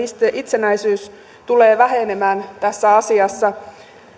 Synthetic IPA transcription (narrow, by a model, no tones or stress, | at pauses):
st̪ʔit̪senæisyːs | t̪uleːʋæɦenemæːnt̪æsːæɑsiɑsːɑ